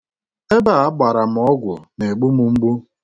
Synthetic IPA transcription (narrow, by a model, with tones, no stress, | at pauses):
e˦ba˦˨a˦ba˨ɾa˨m̩˨ɔ˦ɡʷʊ̰˨ne˨ɡ͡bu˦mu˨ŋ͡m̩˦ɡ͡bu˦